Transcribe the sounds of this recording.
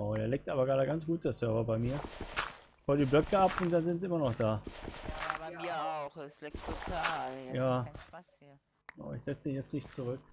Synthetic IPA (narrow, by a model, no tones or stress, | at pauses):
ʊdeːɐlɛːk̚tʔaːbɐɡʁaːdəɡant͡sɡ̥uːt̚d̥eɐsœɐvɐbaɪmiːɐ | fɔldiːblœkəapʊnt̚d̥anzɪnt̬ʔɪmɐnɔχd̥aː | ʊ | tʰaljaː | əna̰ʊɪçz̥ɛt͡siːnjɛt͡stnɪçtt͡suʁʏk̚